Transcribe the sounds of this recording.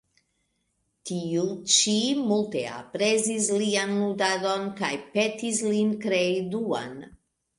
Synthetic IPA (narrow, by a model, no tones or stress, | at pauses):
tiut͡ʃimulte̞a̰pɾezislianludado̞nkajpe̞tislinkɾeidua̰n